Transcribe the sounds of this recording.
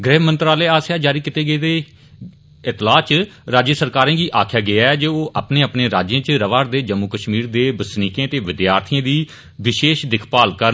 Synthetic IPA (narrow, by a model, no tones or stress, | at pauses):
ɡɾɛːʋmə̃nt̪ɾaːleːaːsjaːd͡ʒaːɾiːkɪt̪eːɡəeːd̪eː | ɪt̪laːt͡ʃɾaːd͡ʒjəsəɾkaːɾãːɡiːʔaːkʰjaːɡɪjaːɛːd͡ʒeːoːʔapneːəpneːɾaːd͡ʒjãːt͡ʃɾəʋaːɾd̪eːd͡ʒəmːuːkəʃmiːɾd̪eːbəsniːkẽːət̪eːʋɪd̪jaːɾt̪ʰɪjãːd̪iː | ʋɪʃeːʃd̪ɪkʰpaːlkəɾ